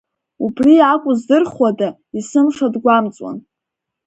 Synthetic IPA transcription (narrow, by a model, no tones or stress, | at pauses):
ubriakʷʼʊzdɨrχwada | isɨmʂadɡʷamt͡sʼwa̰n